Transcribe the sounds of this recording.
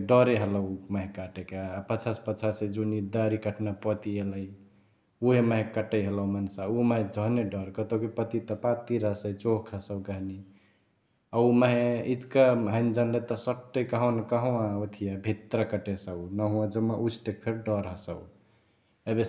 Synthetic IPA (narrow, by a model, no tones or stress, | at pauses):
ɖəɾeɦələməɦẽkaʈekeapət͡ʃʰaspət͡ʃʰased͡ʒunid̪aɾikəʈʰnapət̪ieləj | uɦeməɦẽkəʈəjɦələɦmənsauməɦẽd͡ʒʱəneɖəɾkət̪okipət̪it̪ɔpat̪iɾəsəjt͡ʃoɦkʰəsəwɡəɦni | auməɦẽid͡ʒkaɦənd͡ʒənlet̪ɔsəʈːejkəɦõnkəɦuãot̪ʰijabʱit̪ɾakəʈesəunəɦũãd͡ʒəmːaʔut͡ʃʰʈek̚pʰeɾɖəɾɦəsə̰ | ebe